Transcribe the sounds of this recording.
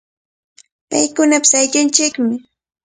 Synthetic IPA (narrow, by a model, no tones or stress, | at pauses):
pa̰jkʊnapɪ̥sajʎant͡ʃɪkmɪ